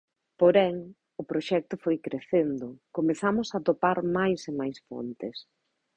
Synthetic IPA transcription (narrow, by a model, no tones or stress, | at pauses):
poɾɛŋ | ʊpɾoʃɛk̚t̪ʊfojkɾeθend̪ʊkomeθamʊsat̪opaɾmajsemajsfo̰nt̪ɪs